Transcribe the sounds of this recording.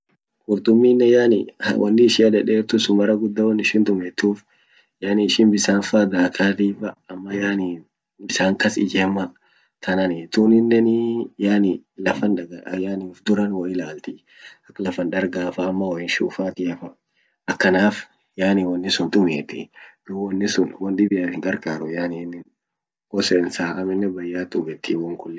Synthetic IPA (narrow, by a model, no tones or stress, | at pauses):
kʊɾt̪ʊmːiːnːɛjaːnɪ̰wɐ̰nːɪːʃɪɐd̪ɛᶑeːɾt̪ʊsʊmɐɾɐɡʊd̪ːɐwɐnːɪʃɪnt̪ʊmɛt̪ːuːf | jaːnɪɪʃɪnbɪsaːnfad̪aːkʰaːt̪iːfɐɐmːɐjaːniː | ɪsaːŋkɐsɪd͡ʒɛːmɐ | t̪ʰɐnɐnɪt̪uːnɪnːɛnɪjaːnɪlɐfɐnᶑɐɡɐjaːniːfd̪ʊɾɐnwɐɪlaːlt̪ɪ | ɐkːɐlɐfɐnᶑɐɾɡaːfɐːmːɐwɔjɪnʃuːfaːt̪ɪɐfɐ | ɐkːɐnaːf | jaːniːwɐnːɪsʊnt̪ʼʊmeːt̪ɪd̪uwɔnːɪsʊnwɔnɗ̪ɪbɪjaːthɪŋɡɐɾkʼaːɾɔjaːninːɪn | kɔsɛːnsaːʔɐmɪnːɛbɐjːaːt̪ʼʊbɛt̪ʰːiwɔŋkʊlːɛ